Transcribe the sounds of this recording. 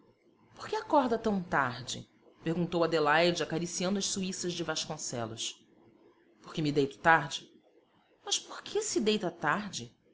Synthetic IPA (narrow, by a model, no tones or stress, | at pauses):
po̥ɾkɪakɔɾd̪ɐt̪ɐ̃w̃t̪aɾd͡ʒɪ̰ | peɾɡũnt̪owɐd̪elajd͡ʒɪakaɾisiɐ̃nd̪ʊɐʃsuisɐʒd͡ʒɪvaʃkõsɛ̰lʊ̰s | poχkemid̪ejt̪ʊ̥t̪aɾd͡ʒɪ | mɐʃpoɾkʰesɪd̪ejt̪ɐt̪aɾd͡ʒɪ